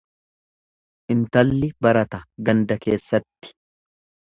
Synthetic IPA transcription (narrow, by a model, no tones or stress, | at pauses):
ʔɪnt̪ɐlːɪbɐɾɐt̪ɐɡɐnd̪ɐke̞ːsːɐt̪ːɪ̥